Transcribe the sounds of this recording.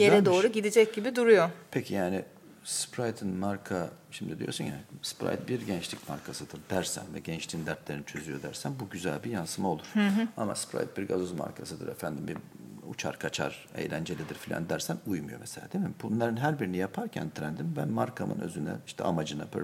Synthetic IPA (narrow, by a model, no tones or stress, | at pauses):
jeɾɛd̪o̞ːɾuɟid̪id͡ʒɛc̚ɟibid̪uɾujopʰecʰijaːni | spɾajt̪ʰɯnmaɾkʰaʃimd̪id̪ijo̞ɾsunjaspɾa̰jt̪̚biɾɟɛnt͡ʃlʲicmaɾkʰasɯd̪ɯɾd̪æɾsæ̰nvɛɟɛnt͡ʃlʲiːnd̪æɾt̪lʲeɾinit͡ʃʰø̞zyjo̞d̪æɾsænbuɟyzælʲbijansɯmao̞lˠuɾ̥ɯɦama̰spɾa̰jt̪̚biɾɡazozma̰ɾkʰasɯd̪ɯɾɛfænd̪imbi | ṵt͡ʃʰa̰ɾkʰat͡ʃʰa̰ɾḛjlʲænd͡ʒe̞lʲid̪iɾfilʲa̰nd̪æɾsænujmujo̞̰meselʲaːd̪emimbunlˠaɾɯnɦæɾbiɾinijapʰaɾcʰæ̰nt̪ʰɾænd̪imbænmaɾkʰamɯ̰nø̞̰zynɛ̰iʃt̪ʰɛ̰amad͡ʒɯnapʰ